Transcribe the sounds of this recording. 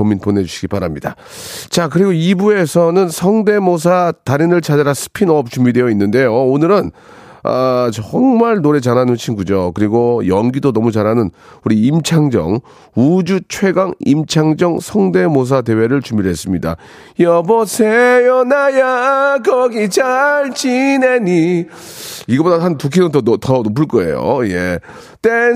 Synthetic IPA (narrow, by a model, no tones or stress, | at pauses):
omːinponed͡ʑuɕʰiɡibaɾamɲida | t͡ɕakɯɾiɡoibue̞sʰʌnɯnsʰʌŋde̞mosʰataɾinɯɭt͡ɕad͡ʑaɾasʰɯ̥pʰinʌp̚t͡ɕumbide̞jʌinːɯnde̞joonɯɾɯn | ʌt͡ɕʌŋmaɭnoɾe̞t͡ɕananɯnt͡ɕʰinɡud͡ʑokɯɾiɡojʌŋɡidonʌmut͡ɕaɾɦanɯn | uɾiːmt͡ɕʰaŋd͡ʑʌ̰ŋ | ud͡ʑut͡ɕʰwe̞ɡaŋḭmt͡ɕʰaŋd͡ʑʌŋsʰʌŋde̞mos̬ʰade̞we̞ɾɯɭt͡ɕumiɾɭɦes͈ɯmɲida̰ | jʌbʌsʰejonajakʌɡit͡ɕaɭt͡ɕineɲi | iɡʌpbodaɦantuk̬ʰinɯntʌtʌnop̬ʰɯɭk͈ʌe̞̰jo̰je | t͈e